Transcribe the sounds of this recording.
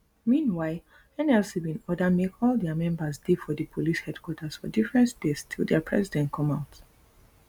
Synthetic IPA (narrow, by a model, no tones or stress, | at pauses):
mĩnwaɪl | ɛ̃nɛlsibĩnɔdəmekʰɔlˠdɛmɛ̃mbəsdefɔdəpʰolishɛdkʰwɔtʰəsfɔ̰difɹɛ̃ntdestʰilˠdɛpʰɹ̥ɛsidɛ̃ntkʰɔ̃maʊt